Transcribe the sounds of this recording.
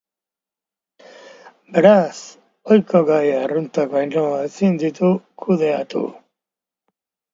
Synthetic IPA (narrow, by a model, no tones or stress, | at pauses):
beɾas | ojkoɣajarunt̪akajnoesind̪it̪ukʰuðeat̪ṵ